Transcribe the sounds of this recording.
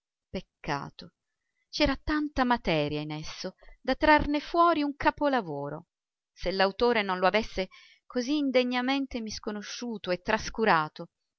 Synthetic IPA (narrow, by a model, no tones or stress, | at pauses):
pekːa̰ːt̪o | t͡ʃɛːɾat̪ant̪amat̪ɛːɾjainesːod̪at̪ːɾarnefwɔːɾiuŋkapolavoːɾo̰ | selːawt̪oːɾenonloavesːe | koziːnd̪eɲːament̪emiskonoʃːuːt̪oet̪ːɾaskuɾaːt̪o